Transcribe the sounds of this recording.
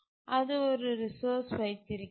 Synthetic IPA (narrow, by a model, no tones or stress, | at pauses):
ɐðɯɔɾɯɾɪsoːɾsʋɐɪt̪ːɪɾɯkː